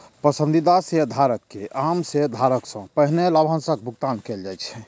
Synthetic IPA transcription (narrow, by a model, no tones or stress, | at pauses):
pəsə̃nd̪id̪ased̪ʱaɾəkːeʔamsed̪ʱaɾəksə̃pəɦinelabʱãnsək̚bʱukt̪ankeld͡ʒajt͡ʃʰɛ̥